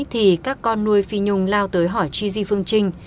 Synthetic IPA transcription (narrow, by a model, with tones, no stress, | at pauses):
t̪ʰi˨˩kaː˦˥kːɔ˧nːu˧əjfi˧ɲʊ˧ŋ͡mlaː˧wt̪əː˨˦jɦɔ˧˩jt͡ɕi˧zi˧fɨ˧əŋt͡ɕï˧ŋ̟